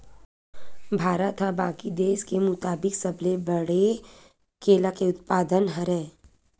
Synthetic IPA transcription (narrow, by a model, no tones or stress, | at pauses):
bʱaːɾət̪ɦabaːkid̪eːskemʊt̪aːbɪksəblebəɽe | kʰeːlakeʊt̪paːd̪ənɦɐɾɛː